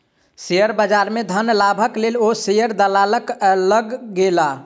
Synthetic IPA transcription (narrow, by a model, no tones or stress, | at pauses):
sejəɾbəd͡ʒaɾmed̪ʱənlabʱəklelosejəɾd̪əlaləkləɡːela